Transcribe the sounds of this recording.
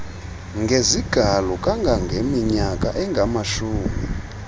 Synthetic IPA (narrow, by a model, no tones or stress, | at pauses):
ŋɡʱeziɡ̥ʱalɔkʼaŋɡʱaŋɡʱemiɲakʼa̰ʔɛŋɡʱamaʃuːmi